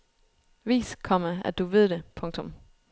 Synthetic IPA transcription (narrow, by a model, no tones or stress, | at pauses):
ʋḭːskʰɒ̽məæd̥uʋe̝ð̞̰ˠd̥epʰɔ̽ŋ̥̚t͡sʰɔ̽m